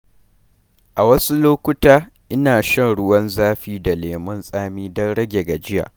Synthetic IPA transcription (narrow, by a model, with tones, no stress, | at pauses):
ʔa˨wɐ˦su˦loː˦kʷʊ˦taː˦ | ʔɪ˦naː˨ʃɐ˦nɽʊ˦wɐ˦nzaː˦ɸiː˦da˨leː˨mɐ˦nsʼaː˦miː˦dɔ˦nɽɐ˦ɡʲe˨ɡa˨d͡ʒɪ˦ja̰ː˨ʔ